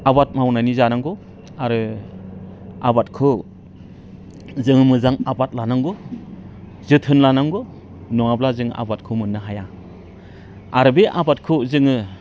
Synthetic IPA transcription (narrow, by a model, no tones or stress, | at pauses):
abat̚mawnanizanaŋɡɔ | aɾɯ | abat̚kʰɯ | zɯŋɯmɯzaŋabat̚lanaŋɡɔ | zɯtʰɯnlanaŋɡɔ | nɔŋablazɯŋʔa̰bat̚kʰɯmɯnːɯɦaja | aɾɯbeʔabat̚kʰɯzɯŋɯ